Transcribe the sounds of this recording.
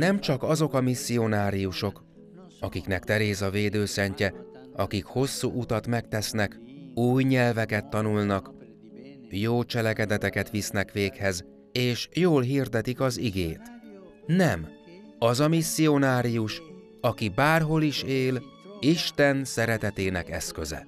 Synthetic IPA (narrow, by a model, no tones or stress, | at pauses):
nɛmt͡ʃɒkɒzo̞kɒmisːio̞naːɾijuʃo̞k | ɒkiknɛkt̪ɛɾeːzɒveːd̪øːsɛɲcɛ | ɒkikho̞sːuːʔut̪ɒt̪mɛk̚t̪ɛsnɛkuːjɲɛlvɛkɛt̪ːɒnulnɒk | joːt͡ʃɛlɛkɛd̪ɛt̪ɛkɛt̪ʋisnɛkʋeːkhɛz | eːʃjoːlɦird̪ɛt̪ikɒziɡeːt̪ | nɛm | ɒzɒmisːio̞naːɾijuʃ | ɒkibaːrɦo̞liʃeːliʃt̪ɛnsɛɾɛt̪ɛt̪eːnɛkɛskøzɛ̰